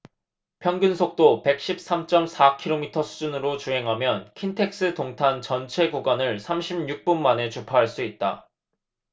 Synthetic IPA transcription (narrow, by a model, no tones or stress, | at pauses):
pʰjʌŋɡjunsʰok̚t͈ope̞k̚ɕ͈ip̚s͈amt͡ɕ͈ʌmsʰakʰiɾomitʰʌsʰu̥d͡ʑunɯɾot͡ɕuɦe̞ŋɦamjʌnkʰintʰe̞k̚s͈ɯtoŋtʰant͡ɕʌnt͡ɕʰe̞ɡuɡwanɯɭsʰamɕʰibɲuk̚p͈unmane̞t͡ɕupʰaɦaɭs͈uit̚t͈a̰